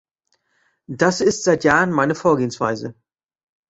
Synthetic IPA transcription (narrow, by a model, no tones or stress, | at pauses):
d̥asɪstz̥aɪtjaːʁənmaɪnəfoːɐɡeːənsv̥a̰ɪzə̰